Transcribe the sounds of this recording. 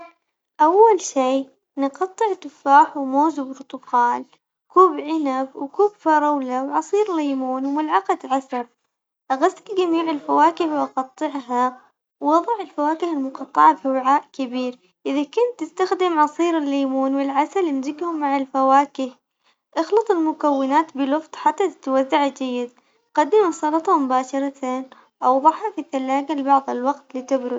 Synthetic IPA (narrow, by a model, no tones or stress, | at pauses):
ʔawːalʃiː | nqɑt̪ˤːɨʕt̪ʊfaːħwmoːzɪbɾt̪ˤʊkɑːl | kuːbʕɪnabwkuːbfɑɾˤɑwlawʕɑsˤiːɾlajmuːnwmʊlʕɑqɑd̪ʕasɑb | ʔaɣasɪlɡamiːʕɪlfawaːkɪhwʔɑqɑt̪ˤːɨʕɦa | wːɑðˤɑʕɪlfawaːkɪhɪlmʊqɑt̪ˤːɑʕafiwɪʕaːʔkɪbiːɾ | ʔɪðakʊnt̪ːɪst̪axd̪ɪmʕɑsˤiːɾɪlːiːmuːnwɪlʕasalɪmzɪɡhʊmːaʕalfawaːkɪh | ʔɑxlɑt̪ˤɪlmʊkawːɪnaːt̪bɪlɨft̪ˤħat̪ːat̪ɪ̥t̪wazːaʕd͡ʒajːɪd̪ | qɑd̪ːɪmasˤɑlɑt̪ˤɑmʊbaːʃɑɾˤɑt̪eːn | ʔɑwðˤɑʕhafiθalːaːɡalɪbɑʕðˤɪlwɑqt̪lit̪ɪbɾʊd